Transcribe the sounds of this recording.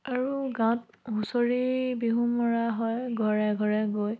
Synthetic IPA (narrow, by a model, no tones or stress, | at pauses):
aɹuɡãw̃t̚ | ɦusoɹibiɦũmɔɹaɦɔjɡʱɔɹɛɡʱɔɹɛɡoj